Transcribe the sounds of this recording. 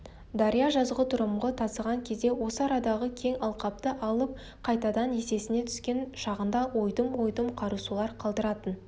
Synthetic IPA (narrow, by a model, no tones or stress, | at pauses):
d̪ɑɾijɑʒɑzʁət̪ʰʊɾəmʁət̪ʰɑsəʁɑŋkʲʰe̞zd̪e̞wo̞səɑɾɑd̪ɑʁəkʲʰe̞ŋɑlˠqɑp̚t̪əʔɑlˠəp̚ | qʰɑjt̪ɑd̪ɑne̞se̞sɪne̞t̪ʰʏskʲe̞nʃɑʁənd̪ɑwo̞jd̪əmwo̞jd̪əmqʰɑɾusulˠɑɾqʰɑlˠd̪əɾɑt̪ən